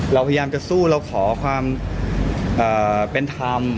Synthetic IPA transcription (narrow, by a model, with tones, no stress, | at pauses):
ɾa˧wpʰa˧jjaː˧mt͡ɕa˨˩suː˥˩ɾa˧wkʰɔː˩˦kʰwaː˧m | ʔɤː˨˩pe˧nt̪ʰa˧m